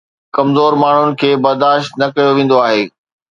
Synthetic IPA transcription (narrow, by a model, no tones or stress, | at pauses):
kɐmzoːɾmaːɳ̤ʊnɪ̆kʰeːbɐɾd̪aːʃt̪nɐkɐjoʋẽːn̆d̪oaːɦeː